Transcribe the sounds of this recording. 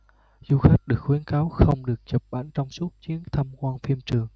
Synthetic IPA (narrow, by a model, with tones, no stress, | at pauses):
zu˧xa˦˥jk̚ɗɨ˨˩ək̚xwi˨˦ənkaː˨˦wxə˧wŋ͡mɗɨ˨˩ək̚t͡ɕə˨˩p̚ɓa̰˧˩nt͡ɕɔ˧wŋ͡msu˦˥t̚t͡ɕi˨˦ənt̪ʰa˧mkwaː˧nfi˧əmt͡ɕɨ˨˩əŋ